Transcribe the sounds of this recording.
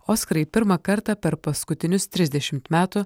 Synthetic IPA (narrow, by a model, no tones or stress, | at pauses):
oːskɾɐɪpʲɪɾmɐkɐɾt̪ɑpʲɛɾpɐskʊt̪ʲɪnʲʊst̪ʲɾʲɪzʲd̪ʲɛʃʲɪmt̪mʲæːt̪ʊ